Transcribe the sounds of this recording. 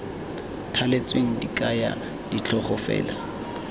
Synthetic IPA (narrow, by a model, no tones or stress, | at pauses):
tʰalet͡sweŋ̩dikʼaja̰ | dit͡ɬʰɔχɔfɛ̰ːla